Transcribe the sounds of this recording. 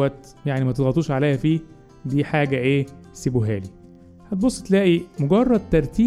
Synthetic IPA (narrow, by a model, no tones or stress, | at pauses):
æt̪ | jaʕnimæt̪elɣɑt̪ˤuːʃʕalejhæfiː | d̪iːħaːɡæʔeː | seboɦæ̰ːli | hæt̪̚bosˤːe̥t̪læːʔimoɡɑrˤːɑd̪̚t̪ɑɾˤt̪iː